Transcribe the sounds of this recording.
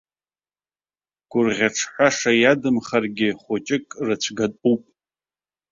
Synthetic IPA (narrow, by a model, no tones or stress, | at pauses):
ɡ̥ʷʊrʁʲaʈ͡ʂʰħʷaʂajadɨmχarɡʲɪχʷot͡ʃʼɪkʼrɨt͡ɕʷʰɡatʼupʼ